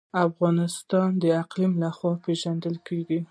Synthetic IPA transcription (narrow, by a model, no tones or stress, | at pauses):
afɣɑnɪst̪ɑnd̪əaqlimlaxwɑpeʒand̪əlkeɡi